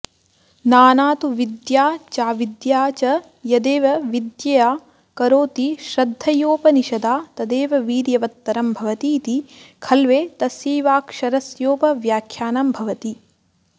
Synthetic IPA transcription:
naːnaːt̪uʋid̪jaːt͡ʃaːʋid̪jaːt͡ʃɐ | jɐd̪eːʋɐʋid̪jɐjaː | kɐɾoːt̪iʃɾɐd̪ʱːɐjoːpɐniʃɐd̪aːt̪ɐd̪eːʋɐʋiːɾjɐʋɐt̪ːɐɾɐmbʱɐʋɐt̪iːt̪ikʰɐlʋeːt̪ɐsjiːʋaːkʃɐɾɐsjoːpɐʋjaːkʰjaːnɐmbʱɐʋɐt̪i

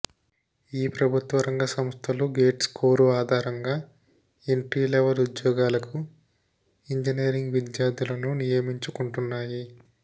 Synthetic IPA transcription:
iːpɾɐbʱut̪ʋɐɾɐŋɡɐsɐmst̪ʰɐluːɡe̞ːʈskʰoːɾuaːd̪ʱaːɾɐŋɡaː | eɳʈɾiːlɛʋɐlud̪jɔːɡaːlɐku | iɲd͡ʒineːɾiŋɡʋid̪jaːd̪ulɐnunijɐmiɲt͡ʃukuɳʈunːaːji

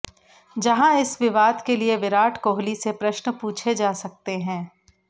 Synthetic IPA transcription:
d͡ʒɐɦãɪsʋɪʋaːd̪kelieʋɪɾaːʈʰkoːɦlisepɾɐʃnəpuːt͡ʃʰed͡ʒaːsɐk̚t̪eɦɛ̃ː

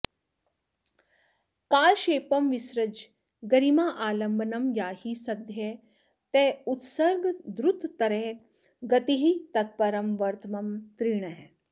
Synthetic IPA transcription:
kaːlʃeːpɐmʋisɾɐd͡ʒ | ɡɐɾimaʔaːlɐmbɐnɐmjaːhisɐd̪ʱje | t̪eːut̪sɐɾɡd̪ɾut̪ːɐɾe | ɡɐt̪iɦit̪ɐt̪̚pɐɾɐmʋɐɾt̪ʰmɐmt̪ɾiːɳɐɦe

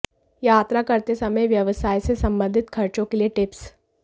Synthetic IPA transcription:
jat̪ɾakəɾt̪esəməjʋjəʋsajt͡sesəmbənd̪ʱit̪kʰəɾt͡sokilieʈips

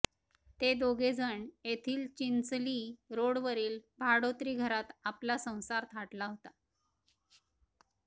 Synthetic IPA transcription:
t̪ed̪oɡed͡zəɳet̪ʰiːlt͡ɕint͡sliɾoɽʋəɾiːlbʱaɽot̪ɾiːɡʱəɾat̪aplasə̃w̃saɾt̪ʰaʈlaɦot̪a

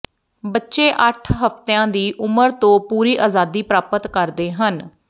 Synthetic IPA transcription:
bətːʃeːʔəʈʰɦəft̪eãːd̪iːʔʊməɾt̪õːpuːɾiːʔaːzaːd̪iːpɾaːpət̪kəɾd̪eːɦən

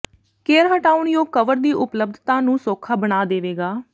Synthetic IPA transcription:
keːɾɦəʈaːʊɳjõːkəʋəɾd̪iːʔʊpləb̚d̪ʱt̪ãːnũːsoːkʰaːbənaːd̪eːʋeːɡaː

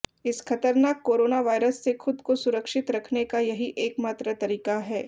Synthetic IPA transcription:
ɪskʰɐt̪əɾnaːkːoːɾoːnaʋaːɪɾəsːexʰʊd̪kosʊɾəkʃɪt̪ɾɐkʰnekajɐɦiʔeːkmaːt̪ɾət̪ɐɾiːkaɦɛː

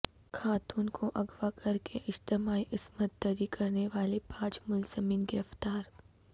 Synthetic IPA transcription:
kʰaːt̪uːnkʰoʔɐɡʋakʰɐɾkʰeʔɪd͡ʒt̪ɪmaːiʔɪsmət̪̚d̪əɾikɐɾneʋaːlepaːd͡ʒmʊlz̥əmiːnɡɪɾəft̪aːɾ

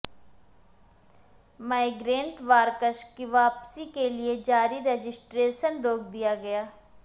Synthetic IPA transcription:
maːɪɡɾẽːɳʈʋaːɾkəʃkiʋaːpsiːkeːlɪeːd͡ʒaːɾiːɾeːd͡ʒɪsʈɾeːʃənɾoːk̚d̪ɪjaːɡɪjaː

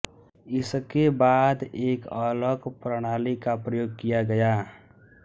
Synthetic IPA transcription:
ɪskebaːd̪eːkəːləkpɾəɽ̃aːlikapɾəjoːɡ̚kijaɡɐjaː

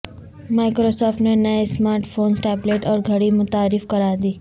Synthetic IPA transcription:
maːɪkɾosɔːɾfʈnenəesmaːɾʈfʰoːnsʈɛːbleːʈɔːɾɡʱəɽimʊt̪aːɾɪfkəɾad̪iː

